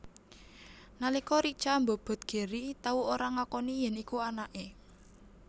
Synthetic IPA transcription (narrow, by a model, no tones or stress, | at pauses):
nalikɔɾit͡ʃambɔb̥ɔ̤t̪̚ɡ̥e̤ɾit̪auoɾaŋakɔnijɛnikuanaʔe